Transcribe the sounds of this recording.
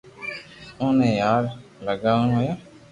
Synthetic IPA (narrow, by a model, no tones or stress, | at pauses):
ʊːnẽːjaːɾləɡaːʋnɦoːjaː